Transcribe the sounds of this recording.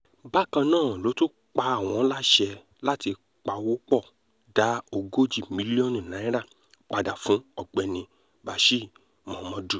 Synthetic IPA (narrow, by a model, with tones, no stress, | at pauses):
ba˦kã˧nãː˦˨lo˨˦to˦ | k͡pa˧a˦˨w̃ɔ̃˧˦la˦ʃɛ˧ | la˦ti˧ | k͡pa˧˨wo˦k͡pɔ˦˨ | da˨˦o˧ɡo˦d͡ʒi˦˨mĩ˨˦li˦ɔ˦nũ˨nã˨˦ĩ˦ɾa˦˨ | k͡pa˧da˨fũ˨˦ɔ˦˨ɡ͡bɛ˧nĩ˧ | ba˨˦ʃi˦˨ | mɔ̃˨mɔ̃˧du˦˨